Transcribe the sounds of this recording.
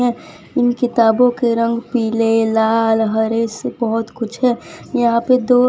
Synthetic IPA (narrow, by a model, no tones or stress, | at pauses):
ɛ̃ | ɪnkɪt̪aːbõkeɾə̃ŋɡpiːlelaːlɦəɾeːsbəɦʊt̪kʊt͡ʃʰɦɛ̃ːjəɦãped̪oː